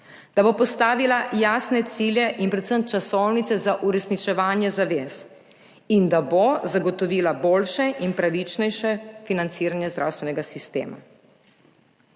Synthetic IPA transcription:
d̪̥abopɔst̪aːʋilajaːsnɛt̪siljɛʔinmpɾɛt̪səmt͡ʃasɔwnit̪sɛzaʔuɾɛsnit͡ʃɛʋaːnjɛzaʋeːs | ind̪abozaɡɔt̪ɔʋiːlaboːlʃɛʔinpɾaʋit͡ʃnɛjʃɛfinant̪siːɾanjɛzd̪ɾa̰ːwst̪ʋɛnɛɡasist̪ḛːma̰

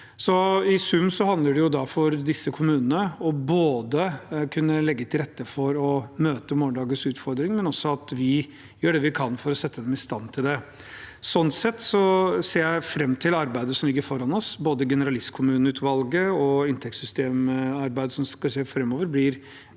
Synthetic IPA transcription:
sɔɪsʉmːsɔhɑnd̪ləɖɛjʊd̪ɑfɔɾd̪ɪsːəkʰʊmʉːnənəɔboːd̪əkʰʉnːəlɛɡːət̪ʰɪlɾɛt̪ːəfɔɾɔmøːt̪əmoːɳd̪ɑːɡənsʉːt̪fɔɾd̪ɾɪŋmɛnɔsːɔɑt̪ʋɪ | jøːɖɛʋɪkʰɑnfɔɾɔsɛt̪ːəd̪ɛmɪst̪ɑnːt̪ʰɪld̪ɛ | sɔnt̪sɛt̪ːsɔseːɾjæɪfɾɛmːt̪ʰɪlɑɾbæɪd̪əsɔmlɪɡːəɾfɔɾɑnɔsboːd̪əɡɛnəɾɑlɪskʰʊmʉːnʉːt̪ʋɑlɡəɔɪnt̪ʰɛktsʏst̪eːmɑɾbæɪd̪əsɔmskɑʂeːɾfɾɛmːoːʋəɾblɪɾ

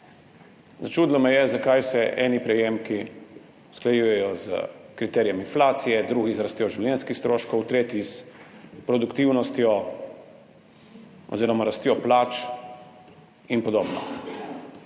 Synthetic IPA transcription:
zat͡ʃuːd̪lɔmɛjɛzakajsɛʔɛːnipɾɛjemki | sklajujɛjɔzə̰kɾit̪ɛːɾijɛminflaːt̪sijɛd̪ɾuɡizɾast̪iːjɔʒiwljɛːnskixst̪ɾoːʃkɔwt̪ɾeːt̪ispɾɔd̪ukt̪iwnɔst̪jɔ | ɔ̰ziːɾɔmaɾast̪ijɔplaːt͡ʃ | inpɔd̪oːbnɔ̰

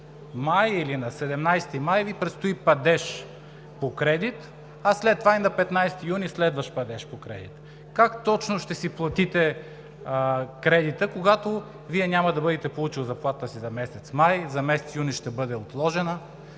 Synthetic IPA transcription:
majilinɐsɛd̪ɛmnajsɛt̪imajvipɾɛt̪st̪ʊipɐd̪ɛʃ | pokɾɛd̪it̪ | ɐslɛt̪ːvainɐpɛt̪najst̪ijunislɛd̪vɐʃpɐd̪ɛʃpokɾɛ̰d̪ḭt̪ | kakt̪ɔt͡ʃnoʃt̪ɛsiplˠɐt̪it̪ɛ | kɾɛd̪it̪əkoɡat̪o | viɛnʲamɐd̪ɐbɤd̪ɛt̪ɛpolˠut͡ʃilˠzɐplˠat̪t̪əsizɐmɛsɛt̪smajzɐmɛsɛt̪sjuniʃt̪ɛbɤd̪ɛot̪lˠɔʒɛnə

